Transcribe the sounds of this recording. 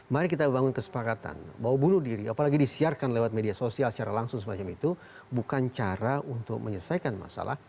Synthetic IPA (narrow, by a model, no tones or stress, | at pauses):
maɾikit̪abəbaŋʊnkəsə̥pakat̪a̰nbawabunʊhdiɾiapalaɡidisiarkanlewat̪̚mediasosialsə̥t͡ʃaɾalaŋsʊŋs̬əmat͡ʃamit̪u | bukant͡ʃaɾaʔunt̪ʊk̚mʔəɲəsajkanma̰sa̰la̰h